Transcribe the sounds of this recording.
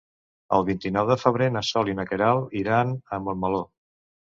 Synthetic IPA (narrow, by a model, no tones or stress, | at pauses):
ə̰lˠβint̪inɔwðəfəβ̞ɾenəsɔlinəkəɾalˠiɾanəmbəlməlo